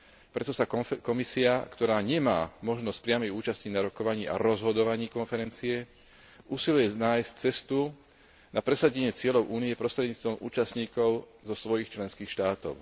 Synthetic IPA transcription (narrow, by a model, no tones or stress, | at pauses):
pɾɛt̪ɔsakɔmisiakt̪ɔɾaːɲɛmaːmɔʒnɔsc̚pɾɪamɛjuːt͡ʃascinaɾɔkɔʋaɲiːʔa̰ɾɔzɦɔd̪ɔʋaɲiːkɔnfɛɾɛnt͡siɛ | uːsilujɛnaːjsc̚t͡sɛst̪u | napɾɛsaɟɛɲɪɛt͡sɪɛʎɔʊʔuːniɛpɾɔst̪ɾɛd̪ɲiːt͡st̪ʋɔmʔṵːt͡ʃastɲiːkɔʊ | zɔsʋɔjixt͡ʃlɛnskiːxʃt̪aːt̪ɔ̰ʊ